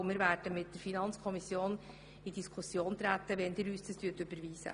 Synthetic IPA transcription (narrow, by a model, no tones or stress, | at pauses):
mɪːɾvæːɾd̥əmɪt̚d̥əɾfinɑnt͡skʰɔmisjoːn | idiskʰusjoːnt̪ɾæt̪ːəʋɛndɪːɾyːsdɑstʰyːtʏbəɾviːsə̰